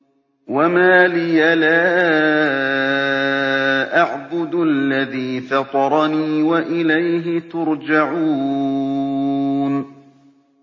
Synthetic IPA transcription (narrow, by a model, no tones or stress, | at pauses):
wamaːlɪjalaː | ʔaʕbʊd̪alːaðiːfɑt̪ˤɑɾˤɑniːwaʔɪlajɦɪt̪ʊɾd͡ʒaʕuː | n